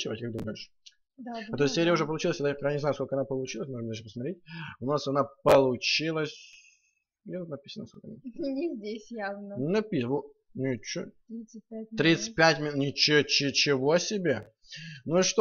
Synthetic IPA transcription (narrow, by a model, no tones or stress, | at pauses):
t͡ɕɪvat̚ʲkaɡ̚d̪uməjɪʂ | d̪at̪ossʲeɾʲɪəʊʐɛpəlˠʊt͡ɕilˠəsʲad̪ajpkjanɪznajʊskolkəɐnapəlˠʊt͡ɕilˠəsʲmoʐmd̪alʂəpəsmɐt̪ɾʲet̚ʲʊnasɐnapəlˠʊt͡ɕilˠəsʲ | jat̪ut̪nɐpʲi̥sənəskolkəɐ̰nanʲɪzʲdʲesʲjavnənɐpʲivu | nʲʊt͡ɕu | ipʲt̪ɾʲit̪sɨ̥t̚ʲpʲætʲmʲɪnʲɪt͡ɕɪt͡ɕɪt͡ɕɪvosʲɪbʲe | nuiʂt̪